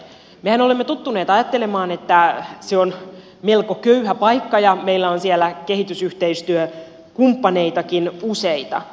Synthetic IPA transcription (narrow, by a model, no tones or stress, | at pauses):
mehænolemːet̪ut̪ːuneːt̪ɑjɑt̪ːe̞lemɑːne̞t̪ːæseon | melkokøyhæpɑikːɑjɑmeilːæonsielːæke̞ɦit̪ysyht̪eist̪yø | kumpːɑne̞it̪ɑkinuseit̪ɑ̰